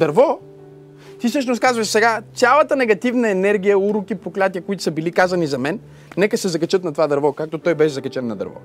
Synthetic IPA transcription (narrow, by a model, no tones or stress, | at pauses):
d̪ɐɾvɔ | t̪isɤʃnoskazvɐʃsɛɡasʲalˠɐt̪ənɛɡɐt̪ivnɐɛnɛɾɡ̟ijəuɾukipoklʲat̪ijəkoit̪ʊ̥sɐbilikazɐnizɐmɛnː | ɛkəsɛzɐkɐt͡ʃɤt̪nɐt̪ovad̪ɐɾvɔkak̚t̪ot̪ɔjbɛʃɛzɐkɐt͡ʃɛnːɐd̪ɐ̰ɾvɔ̰